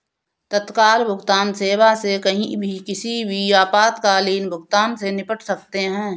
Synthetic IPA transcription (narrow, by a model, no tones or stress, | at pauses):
t̪ət̪kaːlbʱʊɡt̪aːnseːwasekɐɦĩbʱikɪsibʱijaːpaːt̪kaliːnbʱʊɡt̪aːnsenɪpəʈʰsɐk̚t̪eɦɛ̃ː